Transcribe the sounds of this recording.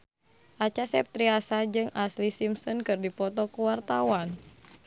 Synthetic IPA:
ʔat͡ʃasɛp̚t̪ɾiasad͡ʒɨŋʔaslisimsɔnkɨrdipɔt̪ɔkuwart̪awan

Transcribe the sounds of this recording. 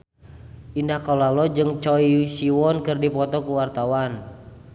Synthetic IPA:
ʔindahkɔlalɔd͡ʒɨŋt͡ʃɔisiwɔnkɨrdipɔt̪ɔkuwart̪awan

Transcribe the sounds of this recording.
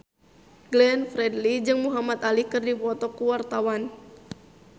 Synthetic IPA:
ɡlɛnfɾɛdlid͡ʒɨŋmuɦamat̪alikɨrdipɔt̪ɔkuwart̪awan

